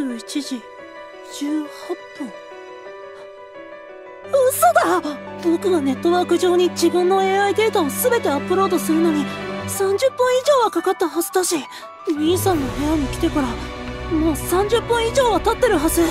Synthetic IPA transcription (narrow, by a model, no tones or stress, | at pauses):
i̥t͡ɕiʑi | d͡ʑɨːhapːɯ̃ŋ | ɯsod̪abo̞kɯ̟ɡane̞t̪ːo̞βakɯ̟ʑo̞ːɲ̟id͡ʑibɯ̟̃nːo̞e̞ːaid̪e̞ːt̪ao̞sɨbe̞t̪e̞apːɯ̟ɾo̞ːd̪o̞sɨɾɯ̟no̞ɲ̟isãɲ̟d͡ʑɨpːɯ̃ɰ̃iʑo̞ːβakakat̪ːahazɨ̥d̪aɕi | mʲiːsãnːoɦe̞jaɲ̟ikʲi̥t̪e̞kaɾamo̞ːsãɲ̟d͡ʑɨpːɯ̃ɰ̃iʑo̞ːβat̪at̪ːe̞ɾɯ̟ɦazɨ